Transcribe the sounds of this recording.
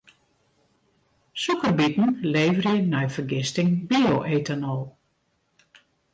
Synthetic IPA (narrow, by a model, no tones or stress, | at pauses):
sukərbitn̩leːvərjənɛjfərɡɪstɪŋbioʔeːtanɔlˠ